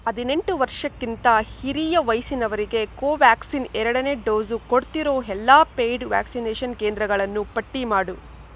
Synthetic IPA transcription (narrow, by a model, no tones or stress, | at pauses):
ɐd̪ine̞ɳʈuʋɐɾʂɐkːint̪ɐhiɾijɐʋɐjsinɐʋɐɾiɡe̞koːʋaːksinɛɾɐɽɐneːɖoːzukoɽt̪iɾo̞ːɦɛlːaːpeːjɖʋa̰ːksineːʃɐnkeːnd̪ɾɐɡɐɭɐnːupɐʈːimaːɽu